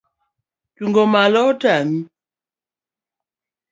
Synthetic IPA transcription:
tuŋɡɔmalɔtami

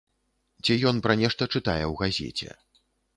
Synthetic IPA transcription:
t͡sʲɛjɔnpɾɐnʲɛʂt̪ɐt͡ʂɨt̪ajɛwɣazʲɛ̰t͡sʲɛ̰

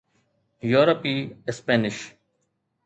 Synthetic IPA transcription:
juːɾɐpiɪspeːnɪʃ

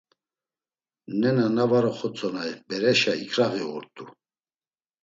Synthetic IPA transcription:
nɛnanavaɾɔχɔt͡sʼɔnajbɛɾɛʃaḭkʰɾaɣiɔɾt̪ʼu

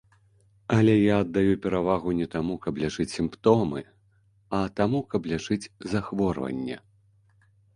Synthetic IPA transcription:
ɐlʲɛjaɐd̪ːajupʲɛɾavaɣunʲɛt̪amukɐblʲaʐɨt͡sʲsʲimpt̪ɔmɨ̰ | ɐt̪amukɐblʲaʐɨt͡sʲzaxvɔrvɐ̰nʲːɛ̰

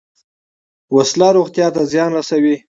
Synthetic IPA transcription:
waslɑɾoɣt̪jɑt̪azjɑnɾasawi

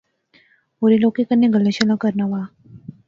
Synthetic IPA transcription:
oɾilokekənːeɡəlːəɕəlakəɾnaʋa

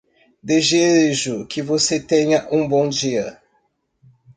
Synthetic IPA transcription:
d̪eʒeɾʒʊkɪvoset̪ẽɲɐʔũbõw̃d͡ʒiɐ̰

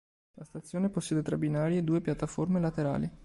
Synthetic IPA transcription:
last̪at̪sːjoːneposːɛːd̪et̪ɾabinaːɾjed̪uːepjat̪ːaformelat̪eɾa̰ːli

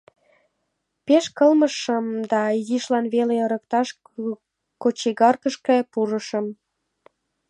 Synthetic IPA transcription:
peʃkəlməʃəmd̪ɑjiʃlɑnβeleəɾək̚t̪ɑʃ | kot͡ɕiɣɑrkəʃkepuɾəʃəm

